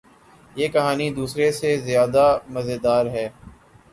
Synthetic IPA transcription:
jeːkɐɦaːnid̪uːsɾesezjaːd̪amɐzed̪aːɾɦɛː

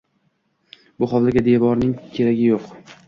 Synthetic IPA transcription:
bʊχɒvlaɡʲad̪e̞vɒɾnɪŋkʲʰe̞ɾaɡʲɪjoq

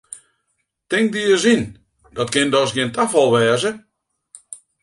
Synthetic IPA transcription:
tɪŋk̚diəzin | d̥ɔtkɪndɔsɡiəntafɔlˠʋɛːzə

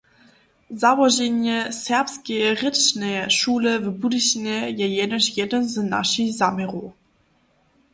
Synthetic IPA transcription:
zawɔʒenjɛsɛʁpskʲɛʁɘt͡ɕnɛʃuːləvbudɨɕnʲɛjɛjɛdɔɕjɛdənzna̰ʃixzamʲɛʁu

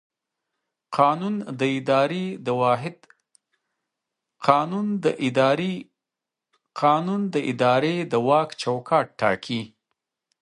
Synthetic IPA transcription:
qɑnund̪əɪd̪ɑɾed̪əwɑɦɪd̪ | qʰɑnunə | qɑnund̪əʔɪd̪ɑɾed̪əwɑkt͡ʃawkʰɑʈʈːɑ̰kʰi

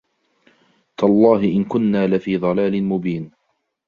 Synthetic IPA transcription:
t̪ɑlˤːɑːɦɪʔɪnkʊnːaːlɪfiːðˤɑlaːlɪnmʊbiːn

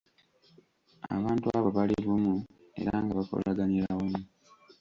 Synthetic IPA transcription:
a̰βaːntuaβoβaliɾumu | e̞̰ɾaŋɡaβako̞̰laɡaniɾawomu

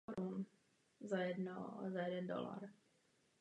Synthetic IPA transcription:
ɾun | zajɛd̪nɔ̰zajɛd̪ɛnd̪ɔ̰la̰ːɾ

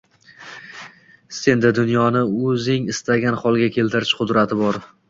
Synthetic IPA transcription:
se̞nd̪ɪd̪ʊnjɒnɪɵzɪŋɪst̪aɡʲanχɒlˠɡʲakʲʰe̞lt̪ʰɪɾɪʃqʊd̪ɾat̪ʰɪbɒɾ

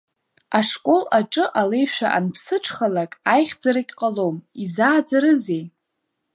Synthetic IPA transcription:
aʂkʼo̞laʈ͡ʂʼɨʔale̞jʃᶣaʔanpʰsɨʈ͡ʂʰχalakʼajχʲd͡zaɾakʲʼqʼalo̞mizaːd͡zaɾɨzej

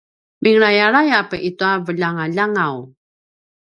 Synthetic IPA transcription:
miŋɾajaɾajapəʔituavəʎaŋaʎaŋaw

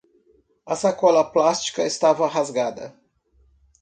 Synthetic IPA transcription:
ɐsakɔlɐplast͡ʃi̥kɐest̪avɐɦazɡad̪ɐ̰

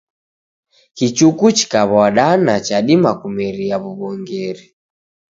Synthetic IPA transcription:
kit͡ʃukut͡ʃi̥kaβɔaɗanat͡ʃaɗimakumɛɾiaβuβɔŋɡɛɾi

